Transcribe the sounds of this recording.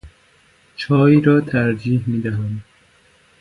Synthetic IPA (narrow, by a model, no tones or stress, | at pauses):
t͡ʃʰɒːjiːɾɒːt̪ʰæɾd͡ʒiːhmiːd̪æɦæm